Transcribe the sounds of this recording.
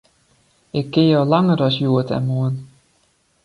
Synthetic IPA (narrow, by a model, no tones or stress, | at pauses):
ɪkːɪjowlɑŋərɔsjuətʰɛ̰nmuən